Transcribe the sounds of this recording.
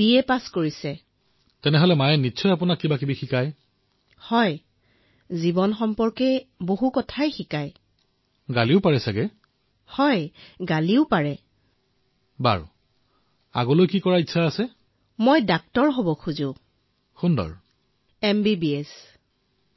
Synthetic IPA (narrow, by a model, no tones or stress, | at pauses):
b̥iɛpaskoɹisɛ | tɛnɛɦɔlɛmajɛnitːʃʰɔjap̬ʊnakːibakibixikaj | hɔj | zibɔnxɔmpɔɹkɛboɦukɔtʰajxikaj | ɡaliʊpaɹɛsaɡɛ | hɔjɡaliʊpaɹɛ | ba̰ɹ | a̰ɡɔlojkikɔɹaitːʰaːsɛ | mojdak̚tɔɹɦobɔkʰuzʊ̃ | xundɔ̰ɹ | ɛmbibiɛs